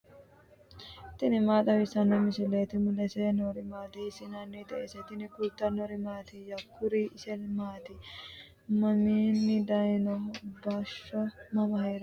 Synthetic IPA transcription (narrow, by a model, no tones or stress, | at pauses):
t̪ɪnɪmaːt̪ɐwɪsɐnːɔmɪsɪleːt̪ɪmʊlɛsɛnoɾɪmaːd̪esɪnanːit̪ɐʔesɛt̪ɪnɪkʊlt̪ːɐnɔɾɪmaːt̪ɪjɐkːʊɾiɪsɛlmaːt̪ɪ | mɐmiːnːɪd̪ɐjnɔbaːʃːɔmɐmɐheːɾɐ